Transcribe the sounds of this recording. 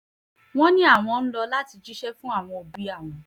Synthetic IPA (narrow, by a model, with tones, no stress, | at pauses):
w̃ɔ̃˦nĩ˦a˦˨w̃ɔ̃˧n̩˦lɔ˧la˦ti˧d͡ʒi˦ʃɛ˦fũ˦a˦˨w̃ɔ̃˧o˧bi˦a˦˨w̃ɔ̃˨